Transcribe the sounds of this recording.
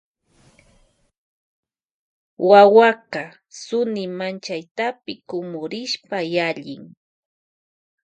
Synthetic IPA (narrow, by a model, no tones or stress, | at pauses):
wawaka | sʊnɪmant͡ʃajt̪apɪkʊmʊɾɪʃpajaʎɪ̰ŋ